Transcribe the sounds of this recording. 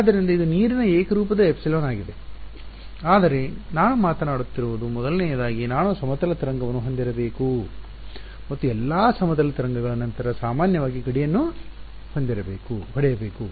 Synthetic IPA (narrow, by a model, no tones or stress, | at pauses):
aːd̪ːɐɾind̪ɐid̪uniːɾinɐeːkɐɾuːpɐd̪ɐepsiloːnaːɡid̪e̞ | aːd̪ɐɾe̞naːnumaːt̪ɐnaːɽut̪ːiɾuʋud̪umɔd̪ɐlnɛːjɐd̪aːɡinaːnusɐmɐt̪ɐlɐt̪ɾɐŋɡɐʋɐnːuɦond̪iɾɐbe̞ːku | mɐt̪ːuɛlːaːsɐmɐt̪ɐlɐt̪ɾɐŋɡɐɡɐɭɐnɐnt̪ɐɾɐsaːmaːnjɐʋaːɡiɡɐɽijɐnːu | hond̪iɾɐbeːkuɦɐɽɛjɐbeːku